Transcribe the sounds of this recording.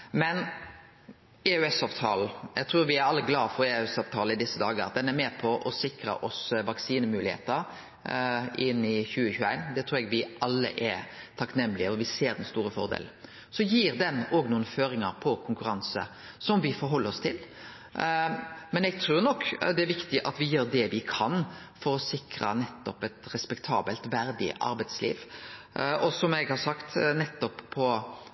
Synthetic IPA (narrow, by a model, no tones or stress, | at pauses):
mɛn | ɛʉɛsɑːʋt̪ʰɑːl̩ɛɪɡ̚t̪ʰɾʉːɾʋɪæɾɑlːəɡlɑːfɔɾɛɛsɑːʋt̪ʰɑːlɪd̪ɪsːəd̪ɑːɡəɑ̰t̪̚d̪ɛnæɾmeːpʰɔʔɔsɪkɾə̰ʔɔsʋɑksiːnəmʉːlɪhḛːt̪əɾ | ʔɪnːɪçʉːəçʉːæɪnd̪ɛt̪ʰɾʉːɾɛɡʋɪʔɑlːə̰ʔɛt̪ʰɑknɛmːlɪəɔʋɪseːɾd̪ɛnst̪uːɾəfɔ̰ɾd̪ḛːl | sɔjiːɾd̪ɛnɔːɡnuːənəføːɾɪŋɑɾpʰɔkʰʊŋkʉɾɑnsə̰ | sɔmʋɪfɔɾɦɔlːəɾɔst̪ʰɪl | mɛnɛɡ̚t̪ʰɾuːɾnɔkːd̪ɛæɾʋɪkt̪ɪʔɑt̪ʋɪjøːɾd̪ɛʋɪkʰɑnfɔɾɔsɪkɾə̰nɛt̪ːɔpɛt̪ɾɛspɛkt̪ʰɑ̰ːbəlt̪ʋæɾd̪ɪ̰ʔɑ̰ɾbæɪt̪slḭːʋ | ɔsɔmɛɡhɑsɑkt̪nɛt̪ːɔpʰːɔ